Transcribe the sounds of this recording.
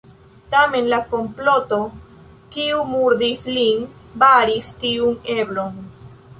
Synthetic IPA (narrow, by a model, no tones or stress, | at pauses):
tame̞nlako̞mplo̞to̞ | kiumuɾdislinbaɾistiune̞blo̞n